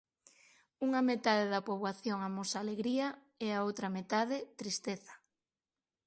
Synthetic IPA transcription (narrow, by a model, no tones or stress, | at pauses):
uŋɐmet̪aðeðɐpoβwaθjoŋamosaːleɣɾiɐ | ɛaowt̪ɾɐmet̪að̞ɪt̪ɾist̪eθɐ̥